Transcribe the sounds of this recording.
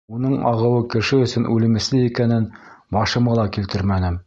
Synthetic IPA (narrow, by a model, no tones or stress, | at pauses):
unɤɴɑ̰ʁɤ̆wɤkɘ̆ʃɘɵ̆sɵnʔʉlɘ̆mɘ̆slɘikænɘnbɑʃɤ̆mɑlˠɑkilt̪ɘɾmænɘm